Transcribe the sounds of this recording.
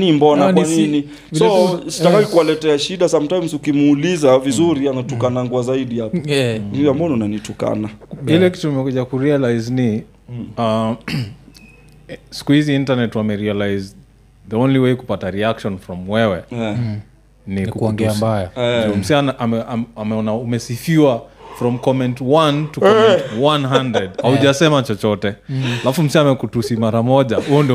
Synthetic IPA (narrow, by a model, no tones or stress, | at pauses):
nimbɔnankwanini | sɔsiakaikuwalɛtɛaʃiɗasam̩tajmsukimːlizavizuɾianatukanaŋɡuazaiɗiapɛniambaɔniunanituka̰nailɛkituimɛkuʄakuɾialajzni | a | si̥kuhiziintanɛtwamɛɾialajz | ðiõnliweɪkupataɾiakʃɔnfɾɔmwɛwɛ | ninkuɔŋɡɛambajadɔm̩sianaʔamɛaamɛɔnaumɛsifiwafɾɔ̃mkɔmɛ̃ntwãntukɔɛwãnɦãndɛdhauʄasɛmat͡ʃɔt͡ʃɔtɛalafum̩siamɛkutusimaɾamɔʄahujɔndi